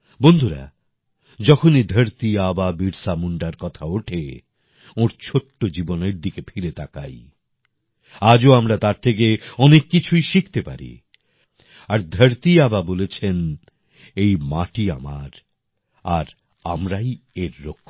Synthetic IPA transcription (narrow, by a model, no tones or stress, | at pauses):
bond̪ʱuɾa̰ | d͡ʑɔkʰonid̪ʱəɾt̪iababiɾsamuɳɖaɾkɔt̪ʰaoʈʰe | oɾt͡ɕʰoʈːod͡ʑiboneɾd̪ikefʰiɾet̪ʰaka̰j | ad͡ʑoamɾat̪aɾt̪ʰekeɔnekːit͡ɕʰujʃik̚ʰt̪epa̰ɾḭ | aɾd̪ʱəɾt̪iababolet͡ɕʰen | ejmaʈia̰maɾ | aɾ | a̰mɾaj | eɾːokʰː